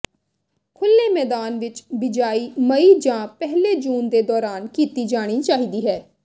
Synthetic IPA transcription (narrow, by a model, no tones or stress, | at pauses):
kʰʊlːeːmɛːd̪aːnʋɪt͡ʃbɪd͡ʒaːiːməiːd͡ʒãːpɛɦleːd͡ʒuːnd̪eːd̪ɔːɾaːnkiːt̪iːd͡ʒaːɽ̃iːt͡ʃaːɦiːd̪iːɦɛː